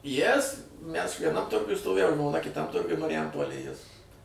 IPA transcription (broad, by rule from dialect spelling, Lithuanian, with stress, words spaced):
ˈjɪs ˈmʲæs ʋʲiɛˈnɐm ˈtʊrɡʊj stoːˈʋʲeːjɛʊ ʒmoːˈnɐ kʲɪˈtɐm ˈtʊrɡʊj mɐrʲɪˈjɛmpoːlʲeːj ˈjɪs